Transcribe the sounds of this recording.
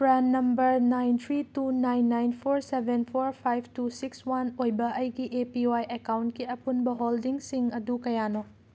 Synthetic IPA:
pɾanːɐmbɐɾnajnt̪ʰɾitunajnːajnpʰoɾsebʱenpʰoɾpʰajb̚ʰʱtusikswanojbɐʔɐjɡiʔepiajekawntkiɐpunbɐɦoldiŋsiŋɐdukɐjano

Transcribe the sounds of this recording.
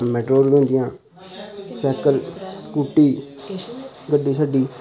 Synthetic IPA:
mɛːʈɾoːɾbẽːnd̪ɪjãː | sɛːkəlskuːʈːiː | ɡəɖːiːsaːɖiː

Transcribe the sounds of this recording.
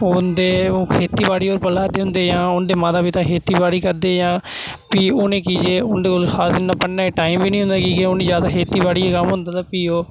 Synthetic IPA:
ʊnd̪eːõːkʰeːt̪iːbaːɽiːoːɾpəlaːd̪eːɦʊ̃nd̪eːjãːʊnd̪eːmãːd̪aːbiːt̪ãːkʰeːt̪iːbaːɽiːkəɾd̪eːjãː | piːoːnẽːkiːd͡ʒeːʊnd̪eːkoːlxaːsɪnːaːpəɳːaːeːʈaːimʋiːnĩːɦʊ̃nd̪aːkiːkeoːnẽːzjaːd̪aːkʰeːt̪iːbaːɽiːakəmɦʊ̃nd̪aːt̪aːpiːoː

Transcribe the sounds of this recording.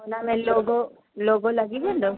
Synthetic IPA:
onamɛ̃loːɡo | loːɡolɐɡibẽːnd̪o

